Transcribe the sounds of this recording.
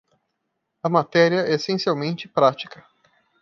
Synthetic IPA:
ɐmat̪ɛɾiɐɛesẽsiawmẽnt͡ʃɪpɾat͡ʃi̥kɐ

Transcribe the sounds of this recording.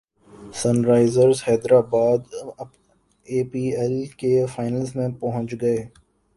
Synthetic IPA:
sɐnɾaːɪzəɾzhɛːd̪ɾaːbaːd̪ | eːpiːɛlkefaːɪnəlsmẽpɐɦʊ̃ɲt͡ʃɡɐeː

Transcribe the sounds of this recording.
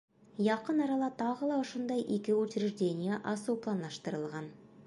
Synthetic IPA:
jɑqənɑɾɑlˠɑt̪ʰɑʁəlˠɑʊʃʊnd̪ɑjʔikʲɪwɵt͡ʃɪɾɪʒd̪ʲe̞nʲijaʔɑsuplˠɑnlɑʃt̪əɾəlˠʁɑn

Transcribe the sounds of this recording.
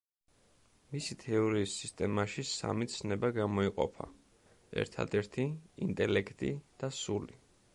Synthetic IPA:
misit̪ʰɛɔɾiːsːist̪ʼɛmaʃisa̰mit̪sʰnɛbaɡamɔiqʼɔ̰pʰa̰ | ɛ̰ɾt̪ʰa̰d̪ɛɾt̪ʰiint̪ʼɛlɛkʰt̪ʼḭd̪̥asuli

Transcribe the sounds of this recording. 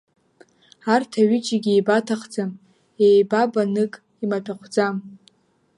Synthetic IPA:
artʰaɥɪt͡ʃʰʼaɡʲijbatʰaχd͡zam | ejbabanɨkʼ | imatʰaχʷʰd͡zam

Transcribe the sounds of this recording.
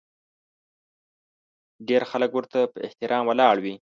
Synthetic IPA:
ɖeɾxaləkwəɾt̪apəɪ̰ht̪ɪɾʔɑmwəlɑɽwi

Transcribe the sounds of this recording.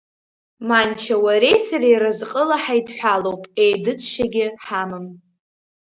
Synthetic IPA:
mant͡ʃʰawaɾe̞jsaɾajɾɨzqʼəlaħajdħʷᶣalowpʼejdɨt͡ʃʷʼʰʃaɡʲɪħamɨm

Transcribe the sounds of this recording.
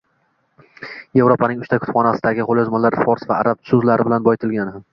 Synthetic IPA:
je̞vɾopanɪŋʊʃt̪akʰʊ̥t̪fχɒnasɪd̪aɡʲɪqolˠjɒzmalaɾfɒɾsvaːɾab̚sʊzlaɾɪbɪlanbɒjɪt̪ʰɪlɡʲanɪam

